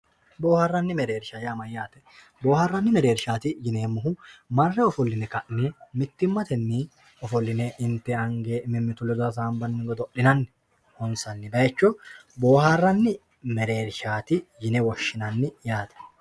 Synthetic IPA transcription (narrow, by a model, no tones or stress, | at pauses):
bo̞ːhɐrːɐnːɪmɛɾe̞ːɾʃajaːmɐjːaːt̪ɛ̥ | bo̞ːhɐrːɐnːɪmɛɾe̞ːɾʃaːt̪ɪd͡ʒɪneːmːʊɦʊmɐrːɛɔfɔlːɪnɛkɐʔnɛmɪt̪ːɪmːɐt̪ɛnːɪ | ɔfɔlːɪnɛʔɪnt̪ːɛɐŋɡeːmɪmːɪt̪ʊlːɛd̪ɔɾɐs̬aːmbɐnːɪɡɔd̪ɔʔɪnɐnːɪ̥ | hɔnsɐnːɪbɐjɛt͡ʃːɔbo̞ːharːɐnːɪ | mɛɾeːɾʃaːt̪ɪd͡ʒɪnɛwɔʃːɪnɐnːɪjaːt̪ɛ̥